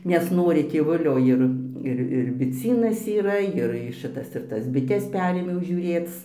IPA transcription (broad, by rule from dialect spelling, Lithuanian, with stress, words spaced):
nʲɛsˈnoːrʲɪ tʲeːˈʋʊlʲoː ˈɪr ˈɪr ɪr bʲɪˈt͡sʲiːnɐs iːˈrɐ jɪr ˈʃɨtɐs ɪr ˈtɐs bʲɪˈtʲɛs ˈpʲæːrʲeːmʲɛʊ ʒʲuːˈrʲeːt͡s